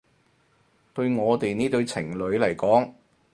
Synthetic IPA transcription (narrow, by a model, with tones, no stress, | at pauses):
t̪ɵ˧ɥŋɔː˨˧t̪e˨jniː˥t̪ɵ˧ɥt͡sʰɪ˨˩ŋlɵ˨˧˥ɥlɐ˨˩jkɔː˨˥ŋ